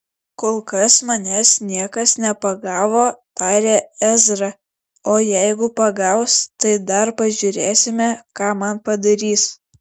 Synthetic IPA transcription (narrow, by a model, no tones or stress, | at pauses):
koːlˠkɐsmɐnʲɛsnʲiɛkɐsnʲɛpɐɡɑːʋoːt̪ɑːɾʲeːæzɾɐ | oːjɛɪɡʊpɐɡɐʊst̪ɐɪd̪ɐɾpɐʒʲʊɾʲeːsʲɪmʲɛkɑːmɐnpɐd̪ɐɾʲiːs